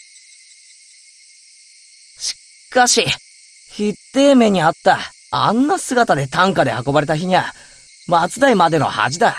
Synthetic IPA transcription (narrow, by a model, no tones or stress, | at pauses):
ɕi̥ | kaɕi | çit̪ːe̞ːme̞ɲ̟iat̪ːa | a̰nːasɨɡat̪ad̪e̞t̪ãŋkad̪e̞hako̞baɾe̞t̪açiɲ̟iβa | mat͡sɨd̪aimad̪e̞no̞̰ha̰d͡ʑid̪a